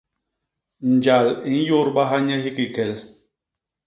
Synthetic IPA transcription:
n̩˨d͡ʒa˨li˨˦n̩˦jo˦ɾɓa˦ɦa˦ɲɛ˦ɦi˦ki˨kɛ˨l

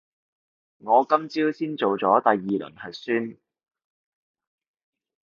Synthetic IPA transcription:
ŋɔː˨˧kɐ˥mt͡siː˥wsiː˥nt͡so˨wt͡sɔː˨˥t̪ɐ˨jːiː˨lɵ̰˨˩nhɐ˨jsyː˥n

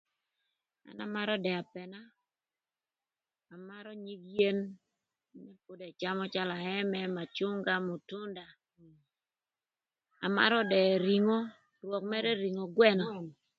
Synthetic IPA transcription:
a̰˨na̰˦ma˦ɾɔ˦dɛ˨a˨pɛ˨na˦ | a˨ma˦ɾɔ˦ɲi˦kje˦n | mɛ˦po˦dɛ˨t͡ʃa˦mɔ˦t͡ʃa˦la˨ɛ˦mɛ˦ma˨t͡ʃʊ˦ŋɡa˦mo˨tʊ˦nda˨ | a˨ma̰˦ɾɔ˦dɛ˨ɾi˨ŋo˦ | rwɔ˨k̚mɛ˦ɾɛ˦ɾi˨ŋo˨ɡwɛ˦nɔ˨

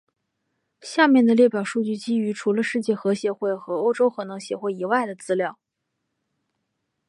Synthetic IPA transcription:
ɕja˥˧mjɛ˥˩nd̪ə˩ljɛ˥˩pjɑ˨˩ʊʂu˥˧t͡ɕy˥˩t͡ɕi˥y˧˥ʈ͡ʂʰu˧˥lə˧ʂɻ̩˥˧t͡ɕjɛ˥˩xɤ˧˥ɕjɛ˧˥xwe˥˩ɪxɤ˧˥o˥ʊʈ͡ʂo˥ʊxɤ˧˨˩nɤ˧˥ŋɕjɛ˧˩xwe˥˩ɪi˨˩wa˥˩ɪd̪ə˩t͡sɹ̩˥ljɑ˥˩ʊ

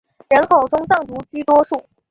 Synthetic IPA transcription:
ɻə˧˥nkʰo˨˩ʊʈ͡ʂʊ˥ŋt͡sɑ˥˩ŋt̪u˧˥t͡ɕi˥t̪wɔ˥ʂu˥˩

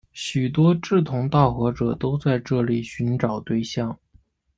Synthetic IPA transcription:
ɕy˨˩t̪wɔ˥ʈ͡ʂɻ̩˥˩t̪ʰʊ˧˥ŋt̪ɑ˥˩ʊxɤ˧˥ʈ͡ʂɤ˨˩t̪o˥ʊt͡sa˥˧ɪʈ͡ʂɤ˥˩li˨˩ɕy˧˥nʈ͡ʂɑ˨˩ʊt̪we˥˧ɪɕjɑ˥˩ŋ

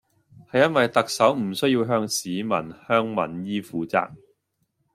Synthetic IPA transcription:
hɐ˨jːɐ˥nwɐ˨jt̪ɐ˨k̚sɐ˨˥wm̩˨˩sɵ˥ɥjiː˧wɦœː˧˥ŋsiː˨˧mɐ̰˨˩nhœː˥ŋmɐ̰˨˩njiː˥fuː˨˧t͡sa̰ː˧k̚

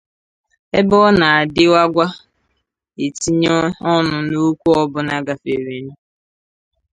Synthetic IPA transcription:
e˦bɔ˦na˨a˨dɪ˦wa˦ɡʷa˦ | e˨ti˦ɲɔ˦ɔ˦nʊ˨no˦kʷu˦ɔ˦bʊ˨na˦ɡa˨fe˨ɾi˨nu˦

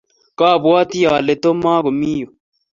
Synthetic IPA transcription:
ka˦˨bwa˦t̪i˦jaː˨le˨t̪o˦maː˦ɣo˨mi˦jo˨

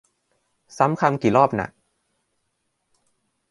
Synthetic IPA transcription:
sa˨˦˥mkʰa˧mkiː˨˩lɔː˥˩p̚na̰˨˩k̚

